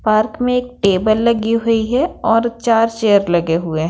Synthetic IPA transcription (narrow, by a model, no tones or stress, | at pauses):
paːɾkmẽeːk̚ʈeːbəlːɐɡiɦʊiɦɛɔːɾt͡ʃaːɾt͡ʃeːəɾlɐɡeɦʊeɦ